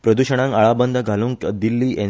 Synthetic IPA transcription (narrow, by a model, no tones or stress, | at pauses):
pɾəd̪uɕəɽ̃ãŋkaɭabənd̪ʱəɡʱalũŋkd̪ilːiːʔẽ